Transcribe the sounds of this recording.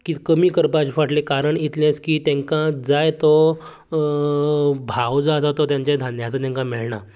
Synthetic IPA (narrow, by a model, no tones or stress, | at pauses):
kikəmiːkəɾpat͡ɕfaʈlekaɾəɳit̪lẽt͡skiːt̪ẽŋkãd͡zajt̪ɔ | bʱawd͡zasat̪ɔt̪jãɲt͡ɕjad̪ʱanjat͡s̪at̪jãŋkãmiɭɳa̰